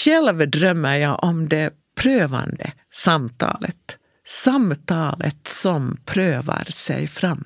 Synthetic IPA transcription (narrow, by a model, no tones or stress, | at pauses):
ʃɛlʋd̪ɾœmːəjæɪʔɔmd̪eː | pʰɾøːʋɑ̰nd̪ə̰ | sɑmt̪ʰɑ̰ːlət̪ | sɑmt̪ʰɑːlət̪sɔmpʰɾøːʋə̰ɾsæɪfɾɑmː